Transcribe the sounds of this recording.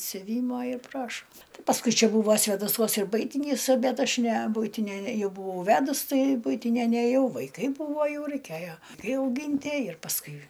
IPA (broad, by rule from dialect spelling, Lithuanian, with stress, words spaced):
sʲʊˈʋʲiːmoː ɪr ˈprɑːʃoː ˈtɐɪ pɐsˈkʊɪ ˈt͡ʃʲɛ ˈbuːʋoː sʲʋʲeːdɐˈsuɔs ɪr ˈbʊɪtʲɪnʲiːs ˈbʲɛt ˈɐʃ nʲɛ ˈbʊɪtʲɪnʲɛ ˈjɛʊ bʊˈʋɐʊ ˈʋʲæːdʊs ˈtɐɪ ˈbʊɪtʲɪnʲɛ nʲɛˈjɛʊ ʋɐɪˈkɐɪ ˈbuːʋoː ˈjɛʊ rɐɪˈkʲeːjoː ɐɪˈkɐɪ ɐʊˈɡʲɪnʲtʲiɛ ɪr pɐsˈkʊɪ